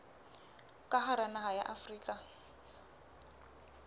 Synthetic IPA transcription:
kʼaχaɾanaɦajaʔafriːkʼa

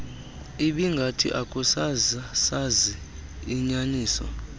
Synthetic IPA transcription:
iɓiŋɡʱatʰḭʔakʼusazasaziː | ɲaniːsɔ̰

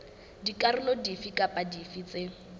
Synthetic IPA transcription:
dikʼarɪlɔdifikʼapʼadifit͡se

